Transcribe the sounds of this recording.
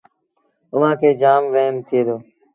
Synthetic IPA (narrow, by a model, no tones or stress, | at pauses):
ʊʋ̤ãːkʰeːd͡ʒaːmʋəɦmt̪ʰɪeːd̪oː